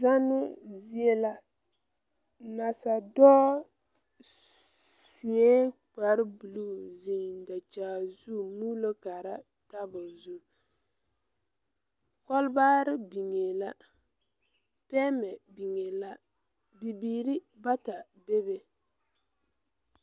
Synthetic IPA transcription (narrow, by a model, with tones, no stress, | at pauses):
za˦nʊ˦zi˦e˦la˨ | na˨sa˨dɔː˦ | su˨e˦k͡pa˨ɾɪ˦bu˨lu˦zi˦˨ŋ˨da˨t͡ʃaː˨zu˦˨muː˦lo˦ka˨ɾa˦ | ta˦bʊ˨zu˦ | kɔ˦lbaː˦ɾɪ˦bi˨ŋe˨la˦ | pɛ˦mɛ˨bi˨ŋe˨la˦ | bi˨biː˨ɾi˦ | ba˦ta˨ | be˦be˦